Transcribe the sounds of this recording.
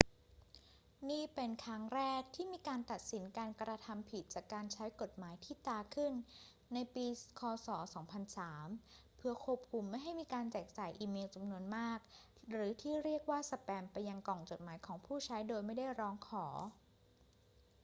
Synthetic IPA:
niː˥˩pe˧nkʰɾa˦˥ŋɾɛː˥˩k̚t̪ʰiː˥˩miː˧kaː˧nt̪a˨˩t̪̚si˩˦nkaː˧nkɾa˧t̪ʰa˧mpʰi˨˩t̪̚t͡ɕaː˨˩kːaː˧nt͡ɕʰa˦˥jko˨˩t̪̚maː˩˦jt̪ʰiː˥˩t̪aː˧kʰɯ˥˩nː | a˧jpiː˧kʰɔː˧sɔː˩˦sɔː˩˦ŋpʰa˧nsaː˩˦m | pʰɯ˧ɐkʰu˥˩əp̚kʰu˧mːa˥˩jɦa˥˩jmiː˧kaː˧nt͡ɕɛː˨˩k̚t͡ɕaː˨˩jʔiː˧meː˧wt͡ɕa˧mnu˧ənmaː˥˩k̚ | ɾɯː˩˦t̪ʰiː˥˩ɾi˥˩ək̚waː˥˩sa˧pɛː˧mpa˧jːa˧ŋkɔː˨˩ŋt͡ɕo˨˩t̪̚maː˩˦jkʰɔː˩˦ŋpʰuː˥˩t͡ɕʰa˦˥jdoː˧jma˥˩jda˥˩jɾɔː˦˥ŋkʰɔː˩˦

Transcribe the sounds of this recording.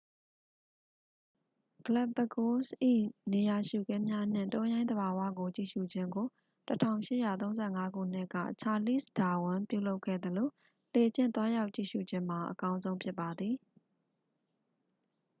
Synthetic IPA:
ɡ̥əla˦bə˨ɡo˦sʔḭ˦˨ne˨ja˨ʃṵ˦˨ɡɛ̃˦mja˦n̥ɪ̰̃˦˨ntɔ̃˦jã˦ɪ̃d̪ə˨ba˨wa̰˦˨ɡo˨t͡ɕḭ˦˨ʃṵ˦˨d͡ʑɪ̃˦ŋɡo˨ | tətʰã̰˦˨ʊ̃ʃɪ̰˦˨ja˨t̪õ˦ʊ̃zɛ˦˨ŋa˦ɡṵ˦˨n̥ɪ˦ʔkä̰˦˨t͡ɕʰa˨lḭ˦˨sda˨wʊ̃˨mpjṵ˦˨lo˦ʊkʰːɛ̰˦˨d̪əlo˨ | le˨d͡ʑɪ̰̃˦˨nt̪wa˦ja˦ʊʔt͡ɕḭ˦˨ʃṵ˦˨d͡ʑɪ̃˦m̥a˨ʔəkã˦ʊ̃nzõ˦ʊ̃mpʰjɪ˦pːa˨d̪ði˨

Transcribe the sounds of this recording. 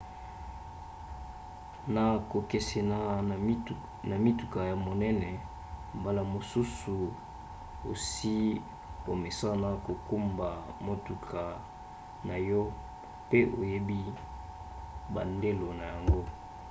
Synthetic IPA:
na˨ko˨ke˨se˨na˨˦ | na˨mi˦tu˨ka˨ja˨mo˨nɛ˦nɛ˨ | m˨ba˨la˨mo˨su˦su˨ | o̰˨si˦ | o˨me˨sa˦na˦ko˨ku˦mba˨mo˨tu˨kʰa˨ | na˨jɔ˦ | pe˦ʔo˨je˦bi˦ | ba˨nde˦lo˨na˨ja˨ŋɡo˦

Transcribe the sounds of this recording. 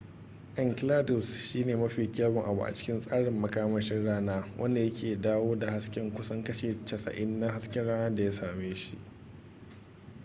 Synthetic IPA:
ʔɛ˦ŋkɪ˦laː˦dʊ˨sʃiː˦neː˨mɐ˦ɸiː˨kʲaː˦bʊ˨ŋʔa̰˨bṵ˨ʔa̰˨t͡ʃɪ̥˦kʲɪ˦nsʼaː˦ɽɪ˨mːɐ˦kaː˦mɐ˦ʃɪ˦nɽaː˦naː˦wʔɐ̰˦nda˨jɐ˦kʲeː˨daː˦woː˦da˨ha˦skʲɛ˦ŋkʷʊ˦sɐ˦ŋkɐ˦ʃeː˨t͡ʃɐ˨sɐ̰˨ʔɪ˦nːa˦ɦa˦skʲɛ˦nɽaː˦naː˦da˨jaː˦saː˨meː˦ʃḭ˦ʔ

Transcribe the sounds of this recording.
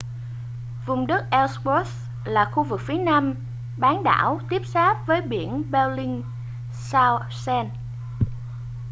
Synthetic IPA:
vʊ˨˩ŋ͡mɗɨ˦˥t̚ʔɛ˧wsbɔ˦˥s | laː˨˩xu˧vɨ˨˩k̚fi˨˦ənaː˧m | ɓaː˨˦nɗa̰ː˧˩wt̪i˦˥əp̚saː˦˥p̚vəː˨˦jɓi˧˩ənɓɛ˧lï˧ŋ | saː˧ | sɛ˧n

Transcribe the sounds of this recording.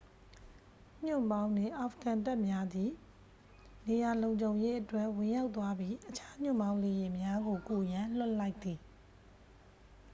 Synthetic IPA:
ɲ̥ʊ̰̃˦˨mbã˦ʊ̃ndɪ̰̃˦˨ʔa˨fʰəkã˨nta˦ʔmja˦d̪i˨ | ne˨ja˨lõ˨ʊ̃ɲd͡ʑõ˨ʊ̃je˦ʔətwɛ˦ʔwɪ̃˨ja˦ʊt̪wa˦bji˦ʔət͡ɕʰa˦ɲ̥ʊ̰̃˦˨mbã˦ʊ̃le˨je˨mja˦ɡo˨ku˨jã˨l̥ʊ˦ʔla˦ɪʔt̪ːi˨

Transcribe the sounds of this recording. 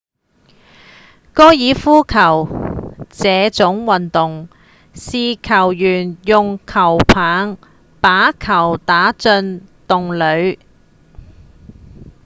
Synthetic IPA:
kɔː˥jiː˨˧fuː˥kʰɐ˨˩w | t͡sɛː˨˧t͡sʊ˨˥ŋwɐ˨nt̪ʊ˨ŋ | siː˨kʰɐ˨˩wjyː˨˩njʊ˨ŋkʰɐ˨˩wpʰaː˨˥ŋ | paː˨˥kʰɐ˨˩wt̪aː˨˥t͡sɵ˧nt̪ʊ˨ŋlɵ˨˧ɥ

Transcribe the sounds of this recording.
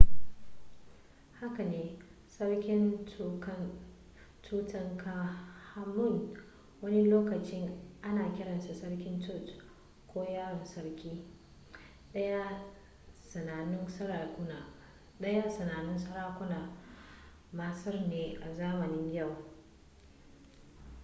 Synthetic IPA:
ha˦ka˨neː˨ | sɐ˦rkʲɪ˦n˦k | tʰuː˦tɐ˦ŋkʰa˦ha˦mʊ˦˨n | wɐ˦ni˦loː˦kɐ˨t͡ʃɪ˦ŋʔa˦naː˨kʲɪ˦ɽɐ˨nsa˨sɐ˦ɽkʲɪ˦ntʊ˦˨t | kʷoː˦jaː˦ɾɪ˨nsɐ˦ɽkʲiː˦ | ɗɐ˦ja˦ | sɐ˨naː˨nɪ˦nsɐ˦ɽa˨kʷʊ˦na˨ | ɗɐ˦ja˦sɐ˨naː˨nɪ˦nsɐ˦ɽaː˦kʷʊ˦naː˨ | maː˨sɐ˦rneː˨ʔa˨zaː˦mɐ˨nɪ˦ɲja˦˨w

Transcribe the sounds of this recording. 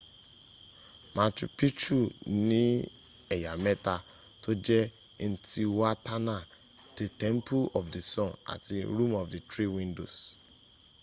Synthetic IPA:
mã˨t͡ʃṵ˨pʰi˦t͡ʃu˦nĩ˦ | ɛ˨ja˨mɛ˦ta˨ | tʰo˦d͡ʒɛ˦˨ | n̩˨tʰi˨wa˦tʰa˦nã˨ | d̥ɪ˨tʰɛ̃˦mpʰu˦lɔ˨fdi˨sɔ̃˦na̰˨tɪ̰˨ɾũ˦mɔ˨vdi˨tʰɾi˦wĩ˦ndo̰˨s

